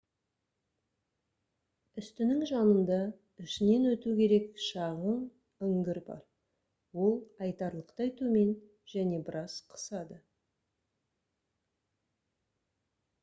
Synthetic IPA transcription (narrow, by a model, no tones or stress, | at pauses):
ʏst̪ɪnɪŋʒɑnənd̪ɑ | ɪʃɪne̞nwɵt̪ukʲʰe̞ɾe̞kʃɑʁəɴ | ʏŋɡʲɪɾbɑ̰ɾ | wo̞lˠɑjt̪ɑɾlˠəqt̪ɑjt̪ume̞n | ʒ̥æne̞bɪɾɑz̥qʰə̥sɑd̪ə